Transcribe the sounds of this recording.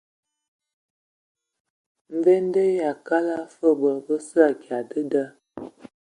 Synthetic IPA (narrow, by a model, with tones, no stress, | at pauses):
m̩˨ve˦n˦də˦ja˨ka˦la˦fə˦bə˨bə˦sə˦a˨ɡja˨də˦də˦